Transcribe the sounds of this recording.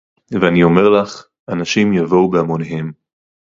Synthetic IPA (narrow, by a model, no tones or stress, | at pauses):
veanio̞meʁlaχ | anaʃimjavo̞wbeamoneɦe̞m